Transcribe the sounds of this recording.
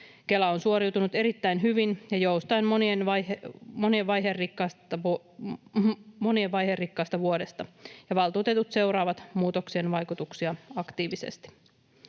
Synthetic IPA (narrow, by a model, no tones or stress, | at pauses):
ke̞læonsuoɾiwt̪unut̪eɾit̪ːæjnɦyʋinjɑjo̞wst̪ɑjnmonienʋɑmo̞nieʋʋɑjɦerrikːɑːsɑ | mo̞nie̞ʋʋɑjɦerːikːɑːst̪ɑʋuode̞st̪ɑjɑʋɑlˠt̪uːt̪e̞t̪ut̪se̞wɾɑːʋɑt̪muːt̪o̞ksienʋɑjkut̪uksiɑɑkt̪iːʋisḛst̪i̥